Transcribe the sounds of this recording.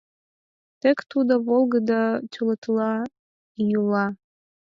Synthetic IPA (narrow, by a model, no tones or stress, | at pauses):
t̪ekt̪ud̪oβolˠɡəd̪ɑtʲulət̪lɑ | julɑ